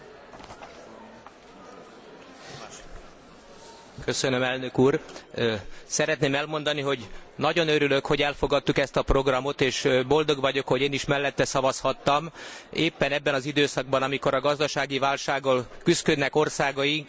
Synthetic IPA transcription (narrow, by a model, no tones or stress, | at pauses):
køsønømɛlnø̞kuːr | sɛɾɛt̪neːmɛlmo̞nd̪ɒniɦo̞ɟnɒɟo̞nøɾylø̞kho̞ɟɛlfoɡɒt̪ːukɛst̪ɒpro̞ɡrɒmo̞t̪eːʃbo̞ld̪o̞ɡvɒɟo̞kho̞ɟeːniʃmɛlːɛt̪ːɛsɒvɒshɒt̪ːɒmeːpːɛnɛbːɛnɒzid̪øːsɒɡ̚bɒnɒmiko̞ɾɒɡɒzd̪ɒʃaːɡivaːlʃaːɡolkyskød̪nɛko̞rsaːɡɒiŋk